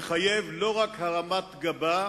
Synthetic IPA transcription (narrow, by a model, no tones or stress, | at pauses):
χajevlo̞ʁakhaʁamat̪ɡaba